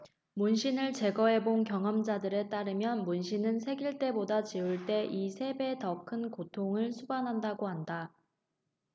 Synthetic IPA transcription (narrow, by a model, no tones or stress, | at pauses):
munɕʰinɯɭt͡ɕe̞ɡʌe̞bonkjʌŋʌmd͡ʑadɯɾe̞t͈aɾɯmjʌnmunɕʰinɯnsʰe̞ɡiɭt͈e̞bodat͡ɕiuɭt͈e̞ʔisʰe̞be̞tʌkʰɯnkotʰoŋɯɭsʰubanɦandaɡoɦanda